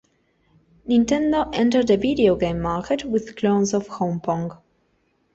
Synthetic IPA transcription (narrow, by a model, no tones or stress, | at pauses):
nĩntɛ̃ndoʔɛ̃ntə˞dəvidioɡẽɪ̃mːaɹkɛtwɪð̥kʰlõʊ̃nzɔv̥hõmpʰɔ̃ŋɡ